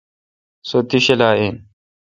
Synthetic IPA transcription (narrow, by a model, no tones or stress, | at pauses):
sot̪iɕelaːeːn